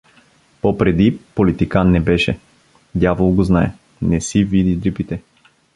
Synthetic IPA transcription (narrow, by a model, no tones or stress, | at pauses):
popɾɛd̪ipolit̪ikanːɛbɛʃɛ | d̪ʲjavolˠɡoznaɛ | nɛsivid̪id̪ɾipit̪ɛ